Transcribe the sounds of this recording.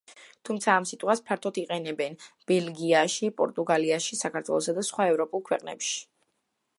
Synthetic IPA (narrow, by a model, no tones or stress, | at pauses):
t̪ʰumt̪sʰaːmsit̪ʼχwaspʰaɾt̪ʰɔt̪ʰiqʼɛnɛbɛnb̥ɛlɡiaʃipʼɔ̰ɾt̪ʼuɡaliaʃisakʰaɾt̪ʰwɛ̰lˠɔsad̪asχwaɛvɾɔpʼulˠkʰwɛqʼnɛ̰pʃi̥